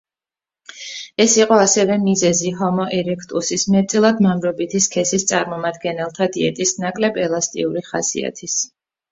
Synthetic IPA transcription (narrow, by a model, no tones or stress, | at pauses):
ɛsiqʼɔasɛvɛmizɛziɦɔmɔʔɛɾɛkʰt̪ʼusismɛt̪sʼilˠad̪mamɾɔbit̪ʰiskʰɛsist̪sʼaɾmɔmad̪ɡɛnɛlˠt̪ʰad̪iɛt̪ʼisnakʼlɛbɛlˠast̪ʼḭuɾiχasḭa̰t̪ʰis